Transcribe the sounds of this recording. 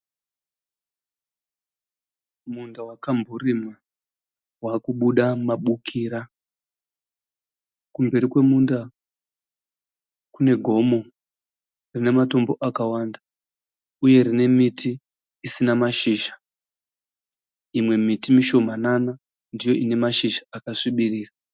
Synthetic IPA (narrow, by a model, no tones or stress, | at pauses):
mundawakambʱurimwa | waːkuɓuɗamaɓukʰiːɾa | kumbe̞ɾikwe̞munda | kune̞ɡʱo̞mo̞ | rine̞mato̞mbo̞ʔakawanda | uje̞ɾine̞mitʰiː | sinamaʃiːʒḁ | imwe̞mitimiʃo̞manana | ndijo̞ine̞maʃiʒaakaʂiɓiriːra